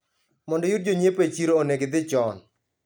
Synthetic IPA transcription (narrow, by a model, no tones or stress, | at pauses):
mɔndɔjut̚d͡ʒoɲepet͡ʃiɾooneɡɪd̪ɪt͡ʃɔn